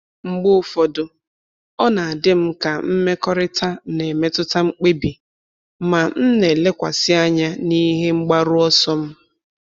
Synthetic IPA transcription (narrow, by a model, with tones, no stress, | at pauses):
ŋ͡m̩˦ɡ͡bʊ˦˨fɔ˨dʊ˨ | ɔ˦na˨a˨dɪ˦m̩˦ka˨m̩˦me˦kɔ˦ɾɪ˦ta˦ne˨me˦tʊ˦ta˦ŋ͡m̩˦k͡pe˦bi˨ | ma˨n̩˦ne˨le˦kʷa̰˨sɪ˦a˦ɲa˦ni˦ɦe˦ŋ͡m̩˦ɡ͡ba˦ɾʊ˦ɔ˦sɔ˦m̩˦